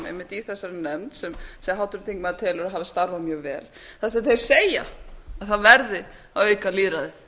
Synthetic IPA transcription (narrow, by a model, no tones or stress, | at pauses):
ḛjmːɪht̪iθɛsːaɾɪnɛmt̪sɛmsɛɦawt̪ʏɾθʰiŋkmaðt̪ʰɛːlʏɾaɦaːvɪst̪aɾvamjœːɣvɛ̰ːl | θaðs̬ɛmθejɾ̥seːja̰aðθaðvɛɾðɪ | awœɥkaliːɾaðɪθ